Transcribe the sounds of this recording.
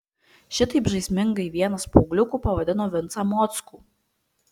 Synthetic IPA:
ʃʲɪt̪ɐɪpʒɐɪsʲmʲɪŋɡɐɪʋʲiɛnɐspoːɡlʲʊkuːpɐʋɐd̪ʲɪnoːʋʲɪnt̪sɐmɔt̪skuː

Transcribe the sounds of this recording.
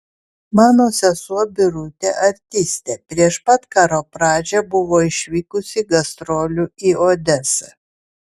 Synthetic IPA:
mɑːnoːsʲɛsuɔbʲɪɾʊt̪ʲeʔɐɾʲt̪ʲɪsʲt̪ʲeːpʲɾʲiɛʃpɐt̪kɑːɾoːpɾɑːd͡ʒʲɛbʊʋoːɪʃʲʋʲiːkʊsʲɪɡɐst̪ɾoːlʲuioːd̪ʲɛsɐ

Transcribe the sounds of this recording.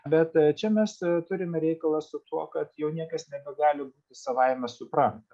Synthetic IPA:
bʲɛt̪t͡ʃʲɛmʲɛst̪ʊɾʲɪmʲɛɾʲɛɪkɐlˠɐsʊt̪uɔkɐt̪jɛʊnʲiɛkɐsnʲɛbʲɛɡɑːlʲɪbuːt̪ʲɪsɐʋɐɪmʲɛsʊpɾɐnt̪ɐ

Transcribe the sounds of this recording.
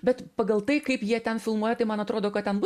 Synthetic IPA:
bʲɛt̪pɐɡɐlˠt̪ɐɪkɐɪpjiɛt̪ʲɛnfʲɪlˠmuɔjɛt̪ɐɪmɐnɐt̪ɾoːd̪oːkɐt̪tʲɛnbʊ

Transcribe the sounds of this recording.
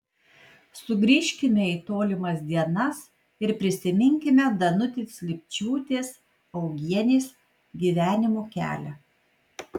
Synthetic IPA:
sʊɡɾʲiːʃʲkʲɪmʲɛiːt̪oːlʲɪmɐsd̪ʲiɛnɐs | ɪɾpʲɾʲɪsʲɪmʲɪŋʲkʲɪmʲɛd̪ɐnʊt̪ʲeːslʲɪpʲt͡ʃʲuːt̪ʲeːs | ɒʊɡʲiɛnʲeːs | ɡʲiːʋʲæːnʲɪmoːkʲæ̰ːlʲɛ

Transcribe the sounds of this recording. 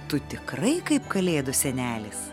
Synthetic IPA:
t̪ʊt̪ʲɪkɾɐɪkɐɪpkɐlʲeːd̪ʊsʲɛnʲæːlʲɪs

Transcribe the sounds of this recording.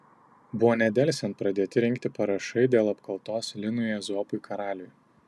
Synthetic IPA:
bʊʋoːnʲɛd̪ʲɛˑlʲsʲɛnt̪̚pɾɐd̪ʲeːt̪ʲɪɾʲɪŋʲkt̪ʲɪpɐɾɐʃɐɪd̪ʲeːlˠɐpkʰɐlˠt̪oːslʲɪnʊjɛzoːpʊɪkʰɐɾɑːlʲʊj

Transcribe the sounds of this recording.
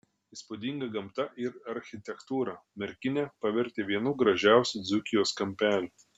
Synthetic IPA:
iːspuːd̪ʲiŋɡɐɡɐmt̪ɐʔɪɾɐɾʲxʲɪt̪ʲɛkt̪uːɾɐmʲɛɾʲkʲɪnʲɛpɐʋʲɪɾʲt̪ʲeːʋʲiɛnuːɡɾɐʒʲæˑʊsʲʊd̪zʊkʲɪjoːskɐmʲpʲæːlʲʊ

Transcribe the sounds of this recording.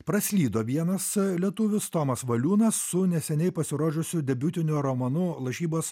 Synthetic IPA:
pɾɐsʲlʲiːd̪oːʋʲiɛnɐslʲiɛt̪ʊʋʲɪst̪oːmɐsʋɐlʲuːnɐsːʊnʲɛsʲɛnʲɛɪpɐsʲɪɾoːʒʲʊsʲʊd̪ʲɛbʲuːt̪ʲɪnʲʊɾomonʊlˠɐʃʲiːboːs

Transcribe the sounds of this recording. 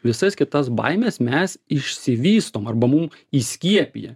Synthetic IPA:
ʋʲɪsɐskʲɪt̪ɐsbɐ̰ɪmʲeːsmʲɛsɪʃʲsʲɪʋʲiːst̪oːmɐrbɐmum | isʲkʲiɛpʲḭjɛ

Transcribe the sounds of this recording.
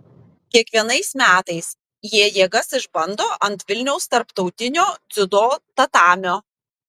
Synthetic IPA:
kʲiɛkʋʲiɛnɐɪsmʲæːt̪ɐɪs | jiɛjiɛɡɐsɪʒbɐnd̪oːʔɐnt̪ʋʲɪlʲnʲɛʊst̪ɐɾpt̪ɒʊt̪ʲɪnʲoːd̪zʲʊd̪oːt̪ɐt̪ɑːmʲoː

